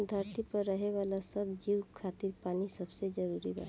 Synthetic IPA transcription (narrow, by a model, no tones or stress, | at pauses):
d̪ʱəɾt̪ipəɾːəɦeʋaːlasəbd͡ʒiwkʰat̪iɾpaːnisəbsed͡ʒəɾuɾiba̰